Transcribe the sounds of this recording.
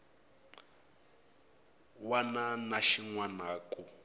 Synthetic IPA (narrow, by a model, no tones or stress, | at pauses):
wananaʃiŋwanaːkʼu